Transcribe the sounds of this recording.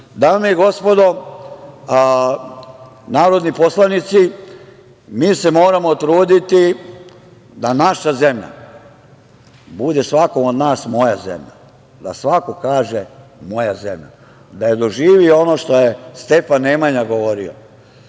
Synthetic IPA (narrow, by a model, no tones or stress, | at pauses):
d̪aːmeiɡo̞spo̞d̪o̞ | naːɾo̞d̪nipo̞slanit̪si | miːse̞mo̞ːɾamo̞t̪ɾuːd̪it̪i | d̪anaʃaze̞mʎa̰ | bud̪e̞sʋako̞mod̪naːsmo̞jazḛmʎa̰ | d̪a̰sʋako̞kaːʒemo̞jaze̞mʎa̰ | d̪ajed̪o̞ʒiːʋioo̞noːʃt̪o̞je̞st̪e̞fanːemaɲaɡoʋo̞ɾio̰